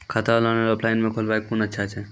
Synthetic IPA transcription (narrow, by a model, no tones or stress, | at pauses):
kʰat̪alaneoplajnmekʰolbajkkunətːʃʰat͡ʃʰɛ